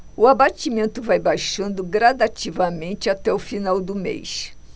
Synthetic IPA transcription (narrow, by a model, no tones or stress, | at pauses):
ʊabat͡ʃimẽnt̪ʊvajbajʃɐ̃nd̪ʊɡɾad̪at͡ʃivɐmẽnt͡ʃɪat̪ɛʊfinawd̪ʊmḛjs